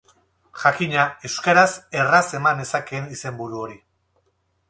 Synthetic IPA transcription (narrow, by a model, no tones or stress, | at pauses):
ʝakiɲae̞wskaɾase̞rase̞mane̞sake̞nise̞mbuɾuo̞ɾi